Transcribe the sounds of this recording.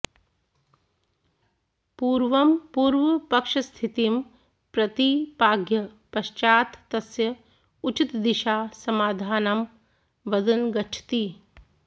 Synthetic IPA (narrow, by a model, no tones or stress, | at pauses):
puːɾʋɐmpuːɾʋɐpɐkʃɐst̪ʰit̪im | pɾɐt̪ipaːɡjɐpɐʃt͡ʃaːt̪t̪ɐsjɐ | ut͡ʃit̪d̪iʃaːsɐmaːd̪ʱaːnɐm | ʋɐd̪ɐnɡɐʈʰt̪i